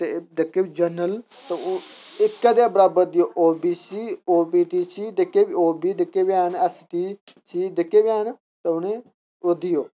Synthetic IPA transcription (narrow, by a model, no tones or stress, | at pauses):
t̪ed̪ekeːid͡ʒənəlt̪eɪkːaːd̪eaːbəɾaːbəɾd̪ɪjoːʔoːbiːsiːoːbiːʈiːt͡ʃiːd̪ekːeːboːbiːd̪ɪkːeːbaːnɛsʈiːt͡ʃiːd̪ɪkːeːbiaːn | t̪eʊnẽː | od̪ɪjoː